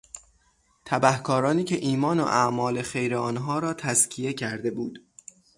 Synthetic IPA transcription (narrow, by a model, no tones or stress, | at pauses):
t̪ʰæbæhkʰɒːɾɒːniːcʰeʔiːmɒːno̰ʔæmɒːle̞xe̞jɾeɒːnɦɒːɾɒːt̪ʰæzcʰije̞cʰæɾd̪e̞buːd̪̥